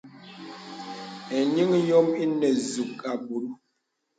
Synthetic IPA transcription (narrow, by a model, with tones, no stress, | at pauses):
ɛ˨ɲi˦ŋ˦jɔ˦mi˦nɛ˨zu˨ka˨bu˨ɾu˦